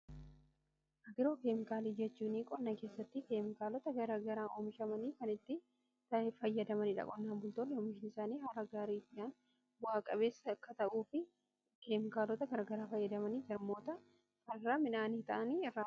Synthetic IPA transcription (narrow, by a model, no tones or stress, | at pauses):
ʔɐɡɪɾo̞ːkeːmɪkaːliːd͡ʒɛt͡ʃːuːniːkʼɔnːɐke̞ːsːɐt̪ːɪkeːmɪkaːlɔt̪ɐɡɐɾɐɡɐɾaːʔɔmɪʃɐmɐniːkɐnɪt̪ːɪ | t̪ɐfɐjːɐd̪ɐmɐnɪᶑɐ̰kʼɔnːaːmbʊlt̪oːnːɛɔmɪʃɪnɪsaːniːɦɐɾɐɡaːɾid͡ʒaːn | bʊaːkʼɐbe̞ːsːɐkːɐt̪ɐʔuːfɪ | ke̞ːmɪkaːlɔt̪ɐɡɐɾɐɡɐɾaːfɐjːɐd̪ɐmɐniːd͡ʒɐɾmo̞ːt̪ɐ | kɐrːɐmɪnaːniːt̪ɐʔɐniːɪrːaː